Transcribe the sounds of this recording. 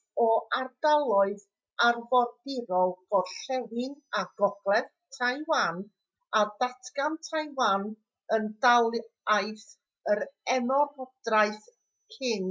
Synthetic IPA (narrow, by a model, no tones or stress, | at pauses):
ɔardalˠɔɨð | arvɔrdɪɾɔlˠɡ̥ɔrɬɛwɪŋaɡ̥ɔɡ̥lɛv | tʰajwan | adatʰɡantʰajwan | əndalˠajθ | əɾɛnɔrhɔd̥rajθ | kʰɪŋ